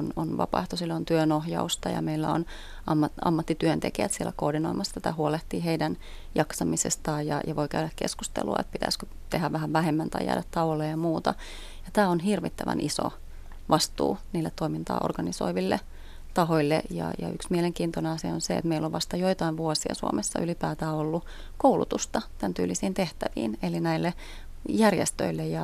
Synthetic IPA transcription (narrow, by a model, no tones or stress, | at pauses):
ononʋɑ̰pɑ̰ht̪osilːont̪yønohjɑust̪ɑjɑ̰meilːæo̰n | ɑmːɑtɑ̰mːɑt̪ːit̪yønt̪ḛkiæt̪sieɛlækoːrdinoimɑst̪æt̪æhuoleht̪iːheidæn | jɑksɑmisḛst̪ɑːjɑ̰jɑʋoikæydækkḛskust̪ḛlṵɑ̰ḛt̪̚pit̪æ̰skø | t̪ehæʋʋæɦæʋʋæhemːænt̪ɑijæ̰ːdæt̪t̪ɑlolːejjɑmuːt̪ɑ | jɑt̪æːonɦirʋit̪ːæʋæ̰nʔiso̰ | ʋɑst̪ṵːniːlːet̪t̪oimint̪ɑ̰ːʔo̰rɡ̥ɑniso̰iʋilːḛ | t̪ɑɦoilːḛjɑ̰jɑ̰yksmieleŋkiːnt̪oneɑsiɑ̰onseḛt̪meilːoʋʋɑst̪ɑjoit̪ɑiʋʋuosiɑ̰suo̰mesːɑ̰ʔylipæːt̪æːolːu | koulut̪ust̪ɑt̪ænt̪y̰ːlːisiːnt̪eht̪æʋḭːnelinæilːe | jærjḛst̪ø̰ilːejjɑ